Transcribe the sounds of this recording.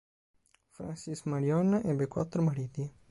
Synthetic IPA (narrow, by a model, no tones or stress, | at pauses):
fɾa̰nsismaɾjɔnːaʔɛbekwat̪ːɾomaɾid̪i